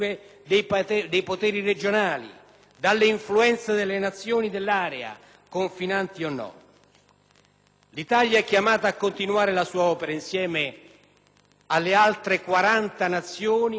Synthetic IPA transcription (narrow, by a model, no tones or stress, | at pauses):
d̪p̪ɛd̪ejpot̪ɛːɾired͡ʒonaːlḭ | d̪alːeiɱfluɛnt̪sed̪elːenat̪sːjoːnid̪elːaːɾɛa̰ | koɱfinant̪ionːɔ̰ | lit̪aljaɛkːjamaːt̪aːkːont̪inuaːɾelasuːaɔːpeɾainsjɛːme | alːealt̪ɾekwaɾant̪anat̪sːjoːni